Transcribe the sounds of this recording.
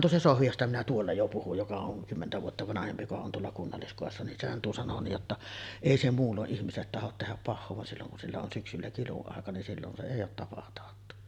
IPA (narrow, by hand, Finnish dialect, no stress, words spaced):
tuo se sohʋi jostɑ minæ tuolːɑ jo puhuj jokɑ oŋ kymːentæ ʋuotːɑ ʋɑnɑhempi jokɑ on tuolːɑ kunːɑlːiskoˑesːɑ nin sehæn tuo sɑno nij jotːɑ eˑi se muːlːoʔ ʔihmiselːet tɑhot tehæp pɑhːoː ʋɑn silːoŋ kun silːæ on syksylːæ kiluɑˑekɑ nin silːon se eˑij oːt tɑpɑtɑːtːu